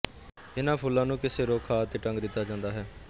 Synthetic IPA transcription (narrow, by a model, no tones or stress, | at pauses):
ɪnãːpʰʊlːãːnũːkɪseːɾoːkʰaːt̪eːʈə̃ŋɡd̪ɪt̪ːaːd͡ʒãːnd̪aːɦɛː